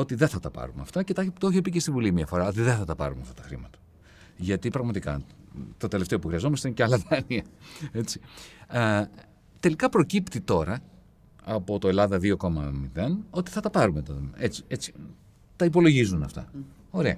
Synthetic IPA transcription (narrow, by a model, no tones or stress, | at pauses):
o̞t̪iðeθɐt̪ɐpɐ̰ɾumɐ̰ft̪ɐcet̪ɐt̪oeçepicest̪ivulimiɐfoɾɐo̞t̪iðeθɐt̪ɐpɐ̰ɾumɐft̪ɐt̪ɐxɾḭmɐt̪ɐ̥ | ʝɐt̪ipɾɐɣmɐt̪ikɐ̰t̪o̞t̪e̞left̪eopuxɾiɐzo̞mɐst̪einecɐlɐðɐniɐe̞t͡si̥ | t̪e̞likɐpɾo̞cipt̪it̪o̞ɾɐ | ɐpo̞t̪o̞e̞lɐðɐðio̞ko̞mɐ̰miðe̞no̞t̪i̥θɐt̪ɐpɐɾumet̪ɐet͡si̥e̞t͡si̥ | t̪ɐipo̞lo̞ʝizunɐft̪ɐ̰ | o̞ɾe̞ɐ̰